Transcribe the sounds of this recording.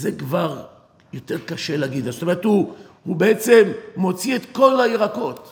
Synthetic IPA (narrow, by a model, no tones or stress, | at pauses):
zekvaʁ | jo̞te̞ʁkaʃeleaɡid̪azsot̪ome̞ʁethuhubeet͡se̞mːo̞t͡siet̪ko̞laiʁako̞t